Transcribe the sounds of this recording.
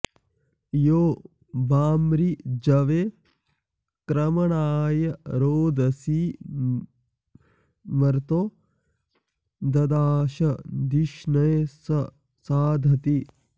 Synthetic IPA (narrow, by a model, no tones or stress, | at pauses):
joː | baːmɾid͡ʒɐʋe | kɾɐmɐɳaːjɐɾoːd̪ɐsi | mɐɾt̪oː | d̪ɐd̪aːʃɐd̪iʃnɐjsɐ | saːd̪ʱɐt̪i